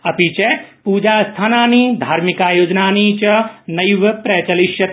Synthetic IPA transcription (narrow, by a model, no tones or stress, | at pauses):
ɐpit͡ʃepuːd͡ʒaːst̪ʰaːnaːniːd̪ʱaːɾmikaːjoːd͡ʒnaːniːt͡ʃɐnɐjʋɐpɾɐt͡ʃɐliʃjɐt̪